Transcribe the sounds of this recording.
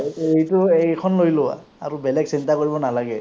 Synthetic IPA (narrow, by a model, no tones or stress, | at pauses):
ejtʊejkʰɔnlojlʊwa̰ | aɹubɛlɛɡsintakoɹibɔnalaɡɛ